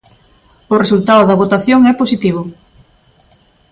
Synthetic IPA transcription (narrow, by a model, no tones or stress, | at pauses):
ʊresult̪aðʊðɐβot̪aθjoŋɛposit̪iβ̞ʊ